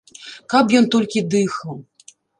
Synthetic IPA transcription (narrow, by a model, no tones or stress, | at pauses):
kapjɔnt̪ɔlʲkʲid̪ɨxɐw